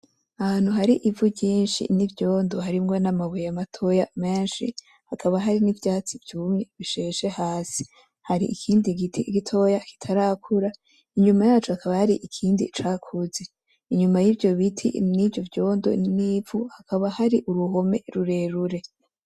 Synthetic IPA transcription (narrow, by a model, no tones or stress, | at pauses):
ahaːn̥huɦaɾiʔivuɟiːnʃḭnivjo̞ːndo̞ɦaɾimŋo̞namaβujamatʰo̞jame̞ːnʃḭ | hakʰaβaɦaɾinivjaːt͡sivjuːmŋe̞βiʃeʃe̞haːsi̥ | haɾiʔikʰiːndiɡitʰiɡitʰo̞jaki̥tʰaɾaːkʰuɾa | iɲumajaːt͡ʃuhakaβahaɾiʔikʰiːndḭt͡ʃakʰuze | iɲumajivjo̞βitʰḭnivjo̞vjo̞ːndo̞̰nivuhakʰaβahaɾiʔuɾuɦo̞me̞̰ɾuɾe̞ɾuɾe̞